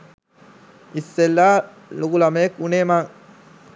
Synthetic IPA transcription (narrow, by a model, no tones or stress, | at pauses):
isːelːaː | lukulameekuneːmaŋ